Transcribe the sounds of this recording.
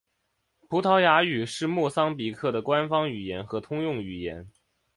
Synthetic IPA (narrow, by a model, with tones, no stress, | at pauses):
pʰu˧˥t̪ʰɑ˧˥ʊja˧˥y˨˩ʂɻ̩˥˧mwɔ˥˩sɑ˥ŋpi˨˩kʰɤ˥˩d̪ə˩kwa˥nfɑ˥ŋy˨˩jɛ˧˥nxɤ˧˥t̪ʰʊ˥ŋjʊ˥˩ŋy˨˩jɛ̰˧˥n